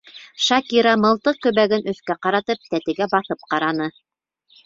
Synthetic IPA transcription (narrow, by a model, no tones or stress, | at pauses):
ʃɑkiɾɑmɤ̆lˠt̪ɤq̚kɵ̆βæɡɘnɵ̆θkæqɑɾɑt̪ɤp̚t̪æt̪ɘ̆ɡæbɑθɤp̚qɑɾɑnɤ